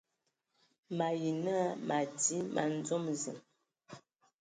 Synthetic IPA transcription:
ma˨ji˨nə˦ma˨ti˦mʔa̰˨n˦d͡zɔ˦mzə˨m

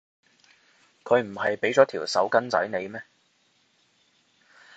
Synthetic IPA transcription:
kʰɵ˨˧ɥm̩˨˩hɐ˨jpe˨˥jt͡sɔː˨˥t̪ʰiː˨˩wsɐ̰˨˥wkɐ˥nt͡sɐ̰˨˥jne˨˧jmɛː˥

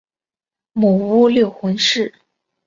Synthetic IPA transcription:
mu˨˩u˥ljo˥˩ʊxə˧˥ŋʂɻ̩˥˩

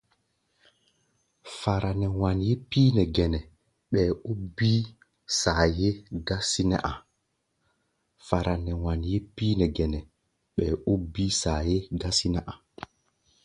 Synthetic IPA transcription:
fa˨ɾa˨nɛ˨wa˨nje˦piː˦nɛ˨ɡɛ˨nɛ˨ | ɓɛː˨u˦bi˦ | saː˨je˦ɡa˦si˦nɛ̰˦ʔa˨ | fa˨ɾʔa˨nɛ˨wa˨nje˦pi˦nɛ˨ɡɛ˨nɛ˨ | ɓɛː˨u˦bi˦saː˨je˦ɡa˦si˦nɛ˦ʔa˨

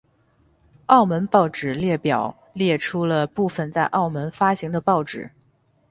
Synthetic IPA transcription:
ɑ˥˩ʊmə˧˥npɑ˥˩ʊʈ͡ʂɻ̩˨˩ljɛ˥˩pjɑ˨˩ʊ | ljɛ˥˩ʈ͡ʂʰu˥lə˧pu˥˩fə˨˩nt͡sa˥˧ɪʔɑ˥˩ʊmə˧˥nfa˥ɕi˧˥ŋd̪ə˧pɑ˥˩ʊʈ͡ʂɻ̩˨˩˦

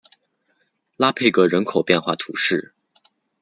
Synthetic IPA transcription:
la˥pʰe˥˩ɪkɤ˧˥ɻə˧˥nkʰo˨˩ʊpjɛ˥˧nxwa̰˥˩t̪ʰṵ˧˥ʂɻ̩˥˩

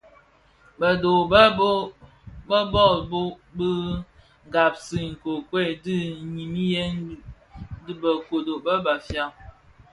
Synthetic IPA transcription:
bə˨do˨bə˦bo˦ | bə˦bɔ˦˨bo˦ | bɨ˦ | ŋ˨ɡa˨p̚si˨ŋ̩˨ko˨kwe˦˨di˦˨ɲi˨mi˦je˦n˦ | dbə˨ko˨do˨bə˦ba˨fja˦˨

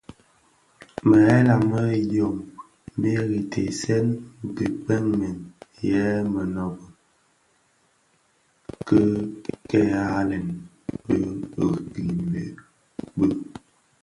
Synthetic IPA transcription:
mə˨ɛ˦la˨mə˦jo˨m˦ | be˦ɣi˨tʰḛ˨sɛ˦n˨ki˨k͡pɛ˦ŋmɛ˨njɛ˦mə˨nɔ˨bɔ˨ | kə˦kɛ˦a˦lɛ˨n | bə˦˨ki˨lḛ˨ | bə˦

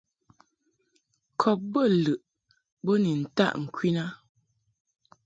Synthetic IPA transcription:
kʰɔ˨p̚bə˦lɨ˨ʔ | bo˦ni˨n̩˨ta̰˦ʔŋ̩˨kʰwi˦na˦

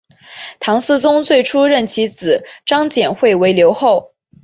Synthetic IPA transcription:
t̪ʰɑ˧˥ŋsɹ̩˥˧t͡sʊ˥ŋt͡swe˥˩ɪʈ͡ʂʰu˥ɻə˥˩nt͡ɕʰi˧˥t͡sɹ̩˨˩˦ʈ͡ʂɑ˥ŋt͡ɕjɛ˨˩nxwe˥˩ɪwe˧˥ɪljo˧˥ʊxo˥˩ʊ

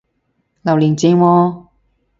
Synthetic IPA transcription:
lɐ˨˩wliː˨˩nt͡siː˧ŋwɔː˧

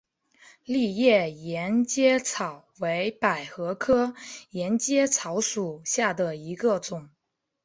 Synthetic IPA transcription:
li˥˧jɛ˥˩jɛ˧˥nt͡ɕjɛ˥t͡sʰɑ˨˩ʊwe˧˥ɪpa˨˩ɪxɤ˧˥kʰɤ˥jɛ˧˥nt͡ɕjɛ˥t͡sʰɑ˧˥ʊʂu˨˩ɕja˥˩d̪ə˩i˧˥ɡə˧ʈ͡ʂʊ˨˩˦ŋ

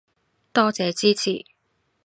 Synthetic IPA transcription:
t̪ɔː˥t͡sɛː˨˧t͡siː˥t͡sʰḭː˨˩

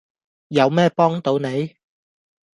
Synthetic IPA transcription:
jɐ˨˧wmɛː˥pɔː˥ŋt̪o˨˧wne˨˧j

